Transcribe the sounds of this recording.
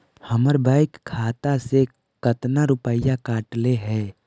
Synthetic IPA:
həməɾbaːɪkʰːaːt̪ase | kət̪naɾʊpəɪjakaːʈleɦɛː

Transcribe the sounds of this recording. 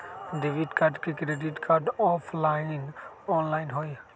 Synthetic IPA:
ɖeʋiʈkaɾɖkikɾeːɖiʈkʰaɾɖɔːpʰlaːɪn | ɔːnlaːɪnɦoːi

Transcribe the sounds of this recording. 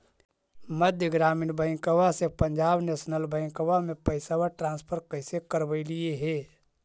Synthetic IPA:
məd̪ʱjəɡɾaːmiːnbə̃ɪ̃ŋkəwasepə̃ɲd͡ʒaːbneːsnəlbə̃ɪ̃ŋkəwamẽpəɪsawaʈɾãːnspʰəɾkəɪsekəɾbəilieɦɛː

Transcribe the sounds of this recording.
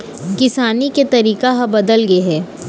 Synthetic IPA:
kɪsaːniket̪ɐɾiːkaɦɐbɐd̪əlɡɐeɦɛː

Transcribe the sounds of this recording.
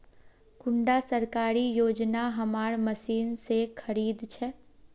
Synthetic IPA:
kʊɳɖasəɾkaːɾijoːd͡ʒnaɦɐmaːɾməsiːnsekʰɐɾiːd̪t͡ʃʰɛ

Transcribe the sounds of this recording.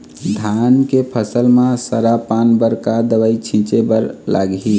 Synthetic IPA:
d̪ʱankepʰəsəlmãsəɾapanbəɾkad̪əʋəit͡ʃʰĩt͡ʃebəɾla̰ɡɦi

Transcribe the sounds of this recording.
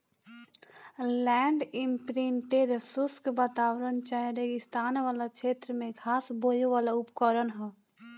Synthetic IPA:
lɛːɳɖimpɾiɳʈeɖsʊskbət̪aːwɾənt͡ʃaːɦeɾeɡɪst̪aːnʋaːlakʃʰeːt̪ɾəmẽkʰaːsboːjoʋaːlaʊpkəɾənɦɛ̃ː

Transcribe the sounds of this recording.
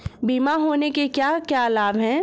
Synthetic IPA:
biːmaɦoːnekekjaːkjalaːbɦɛ̃ː

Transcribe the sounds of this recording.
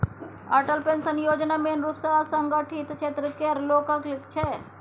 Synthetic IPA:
ɐʈəlpensɐnjoːd͡ʒnamenɾuːpsɐɦasɐŋɡəʈʰit̪t͡ʃʰeːt̪ɾəkeɐɾloːkəklɪkt͡ʃʰe

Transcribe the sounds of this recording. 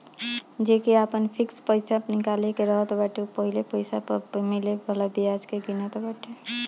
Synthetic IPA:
d͡ʒekeapənpʰikspəɪsapnikalekeɾəɦət̪baʈepəɦilepəjsapəmilebʱəlabiad͡ʒkeɡinət̪ɔbaʈʰe

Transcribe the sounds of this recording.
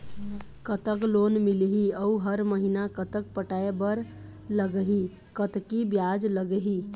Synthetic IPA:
kət̪əklonmilɦiəuɦəɾməɦinakət̪ək̚pəʈaebəɾ | ləɡəɦi | kət̪kibjad͡ʒləɡəɦi

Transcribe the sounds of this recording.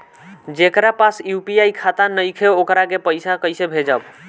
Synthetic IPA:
d͡ʒekɾapasjupiajkʰat̪anəjkʰeokɾakepəjsakəjsebʱed͡ʒəb

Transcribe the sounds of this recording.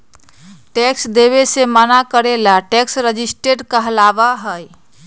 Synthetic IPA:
ʈeksd̪eβesemanakəɾelaʈeksɾəd͡ʒisʈeʈkəɦəlabaɦəj

